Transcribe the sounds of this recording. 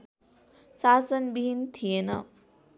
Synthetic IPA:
saːsənbiɦint̪ʰijenɐ̰

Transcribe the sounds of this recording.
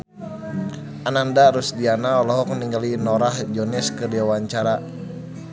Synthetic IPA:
ʔanandaɾusdianaɔlɔɦɔkniŋɡalinɔɾahd͡ʒɔnɛskədiwawaɲt͡ʃaɾa

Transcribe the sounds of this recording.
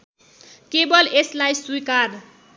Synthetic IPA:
kebʌleslajswuikar

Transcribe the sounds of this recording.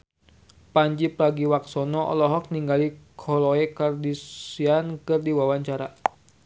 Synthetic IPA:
paɲd͡ʒipɾaɡiwaksɔnɔɔ̰lɔɦɔk̚niŋɡalikʰɔlɔɛkardisiankɨrdiwawaɲt͡ʃaɾa

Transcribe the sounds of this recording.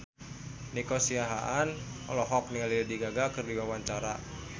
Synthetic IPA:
nikɔsiaɦaʔanɔ̰lɔɦɔk̚niŋalidadiɡaɡakɨrdiwawaɲt͡ʃaɾa

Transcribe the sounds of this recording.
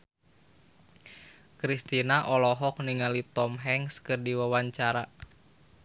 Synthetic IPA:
kɾist̪inaʔɔlɔɦɔk̚niŋalit̪ɔmɦɛŋskɨrdiwawaɲt͡ʃaɾa

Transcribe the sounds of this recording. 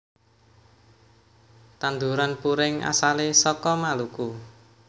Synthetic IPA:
t̪and̪uɾanpuɾɪŋa̰salesɔkɔmaluku

